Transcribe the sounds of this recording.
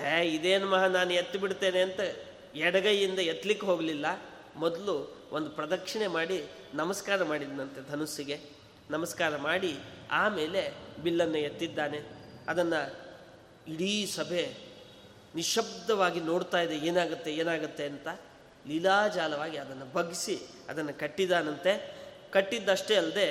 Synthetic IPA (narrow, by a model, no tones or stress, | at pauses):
ɦeid̪eːnmɐɦɐnaːnujet̪ːibiɽt̪ːe̞ːneɐnt̪ɐ | ɛɽɐɡɐjind̪ɐjet̪ːlikːeɦo̞ːɡɐlilːɐ | mɔd̪ɐluond̪upɾɐd̪ɐkʂɐɳe̞maːɽi | nɐmɐskaːɾɐmaːɽid̪nɐnt̪e̞d̪ʱɐnusiɡe̞ | nɐmɐskaːɾɐmaːɽiaːme̞ːle̞bilːɐnːɐjet̪ːid̪ːaːne̞ɐd̪ɐnːɐ | iɽiːsɐbʱe̞ | niʃɐbd̪ɐʋaːɡino̞ːɽt̪aːjid̪eeːnaːɡɐt̪ːe̞eːnaːɡut̪ːe̞ɐnt̪ɐ | lilaːd͡ʒaːlɐʋaːɡiɐd̪ɐnːɐbʱɐɡisi | ɐ̰d̪ɐnːɐkɐʈːid̪aːnɐnt̪e̞ | kɐʈːid̪ːɐʂʈe̞ɐld̪e̞